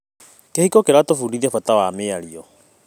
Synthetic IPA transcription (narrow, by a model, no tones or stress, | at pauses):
kehikɔkeɾatofuɾiðɛfatawameaɾiɔ